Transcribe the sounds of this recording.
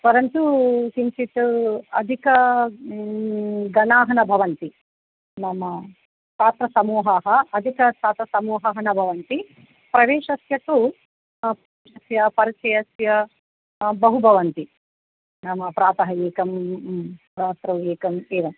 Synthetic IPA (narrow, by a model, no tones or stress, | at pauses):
pɐɾɐnt̪ukint͡ʃit̪uɐ̰d̪ʱikɐ | ɡɐnaːɦɐnɐbʱɐʋɐnt̪i | nɐmɐ | paːt̪ɾɐsɐmuːɦɐɦɐɐd̪ʱikɐsaːt̪ɐsɐmuːɦɐɦɐnɐbʱɐʋɐnt̪i | pɾɐʋeːʃɐsjɐkːu | pɾɐeːʃɐsjɐpɐɾit͡ʃɐjɐsjɐ | bɐɦubʱɐʋɐnt̪i | nɐmɐpɾaːt̪ɐɦɐeːkɐm | pɾaːt̪ɾɐʋeːkɐmeːʋɐm